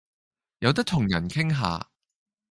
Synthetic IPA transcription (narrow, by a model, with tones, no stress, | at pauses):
jɐ˨˧wt̪ɐ˥k̚t̪ʰʊ˨˩ŋjɐ˨˩nkʰɪ˥ŋɦa̰ː˨˧